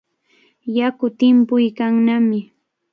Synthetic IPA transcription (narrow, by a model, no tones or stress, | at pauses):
jakʊt̪ɪmpʊjkaŋnamɪ